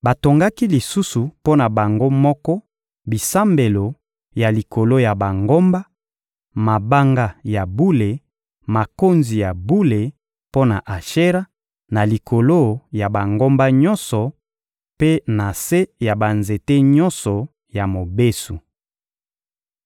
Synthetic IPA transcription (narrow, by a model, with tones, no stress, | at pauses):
ba˨to˨ŋɡa˦ki˦li˨su˦su˨po˦na˨ba˨ŋɡo˦mɔ˦kɔ˦ | bi˨sa˦mbe˨lo˨ | ja˨li˨ko˨lo˦ja˨ba˨ŋɡo˦mba˦ | ma˨ba˦ŋɡa˦ja˨bu˦le˨ | ma˨ko˦nzi˨ja˨bu˦le˨ | po˦na̰˨ʔa˨ʃe˦ʁa˦ | na˨li˨kʰo˨lo˦ja˨ba˨ŋɡo˦mba˦ɲɔ˦nsɔ˨ | pe˦na˨se˦ja˨ba˨nze˨te˦ɲɔ̃˦nsɔ˨ | ja˨mo˨be˦su˨